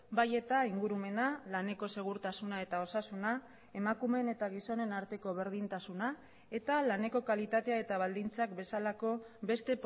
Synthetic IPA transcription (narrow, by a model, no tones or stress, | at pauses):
baje̞t̪aiŋɡuɾume̞nalane̞ko̞se̞ɣ̞uɾt̪asunae̞t̪ao̞sasuna | e̞makume̞ne̞t̪aɣ̞iso̞ne̞naɾt̪e̞ko̞β̞e̞ɾð̞int̪asuna | e̞t̪alane̞ko̞kalit̪at̪e̞ae̞t̪aβ̞ald̪int͡sak̚be̞salako̞be̞st̪e̞p